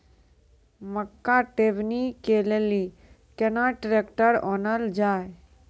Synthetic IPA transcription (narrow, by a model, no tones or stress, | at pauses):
məkːaʈeːʋnikeleli | kɛnaʈɾekʈəɾɔnəld͡ʒaːj